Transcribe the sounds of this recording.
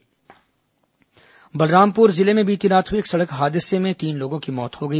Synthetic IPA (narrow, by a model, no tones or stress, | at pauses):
bɐlɾaːmpuːɾzɪlemẽbʱiːt̪inaːt̪ʰɪksɐɽəkɦaːd̪ɪsemẽt̪iːnloːɡõkimɔːt̪hoɡɐiː